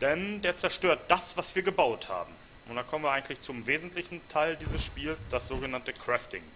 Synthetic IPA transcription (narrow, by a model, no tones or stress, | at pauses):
d̥ɛndeːɐt͡sɛɐʃtøːɐt̚d̥asv̥asv̥iːɐɡəbaʊtha̰ːbm̩ | ʔʊntd̥aːkʰɔmən̩vːɐaɪɡŋ̩tlɪçt͡sʊmveːzn̩tlɪçn̩tʰaɪldiːzəsʃpiːlsd̥asz̥oːɡənantəkʁ̥ɛftɪ̰ŋ